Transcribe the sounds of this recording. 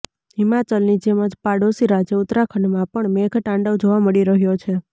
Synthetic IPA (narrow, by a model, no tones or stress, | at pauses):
ɦimat͡ʃəlnid͡ʒeməd͡ʒpaɽosiɾad͡ʒjeʊt̪ɾakʰəɳmãpəɳmekʰəʈãɳɖəʋd͡ʒoʋaməɽiɾəɦjot͡ʃʰe